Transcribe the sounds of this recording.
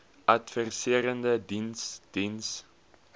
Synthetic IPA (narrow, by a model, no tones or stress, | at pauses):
ʔɐtfərsiəɾəndədinsd̥ins